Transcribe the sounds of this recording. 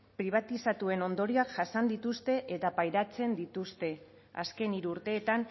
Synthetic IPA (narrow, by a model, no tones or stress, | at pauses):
pɾiβ̞at̪isat̪ue̞no̞nd̪o̞ɾiakʝasand̪it̪ust̪e̞ʔet̪apajɾat͡se̞nd̪it̪ust̪e̞ | a̰ske̞niɾuuɾt̪e̞ːt̪an